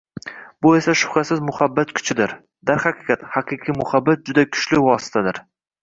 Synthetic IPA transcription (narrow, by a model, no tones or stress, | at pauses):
bʊe̞saʃʊ̥χɾasɪzmʊhabːat̪kʲʰʊ̥t͡ʃʰɪd̪ɪɾ | d̪̥aɾχaqʰɨqʰɑt̪haqʰɨqʰijmʊhabːat̪̚d͡ʒʊd̪akʲʰʊ̥ʃlɪwɒsɪ̥t̪ʰad̪ɪɾ